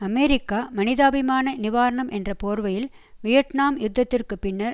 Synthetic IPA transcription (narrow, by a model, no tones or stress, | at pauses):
ɐmeːɾɪkːaːmɐnɪðaːbɪmaːnɐnɪʋaːɾɐɳɐmʔɛndrɐpoːɾʋɐjɪl | ʋɪjɐʈnaːmjʊd̪ːɐt̪ːɪrkɯpɪnːɐɾ